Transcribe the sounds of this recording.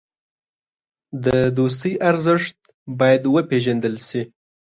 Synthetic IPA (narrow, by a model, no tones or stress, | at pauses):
d̪əd̪os̬t̪əjʔaɾzəʂt̪̚ | bɑjad̪wəpeʒand̪əlsi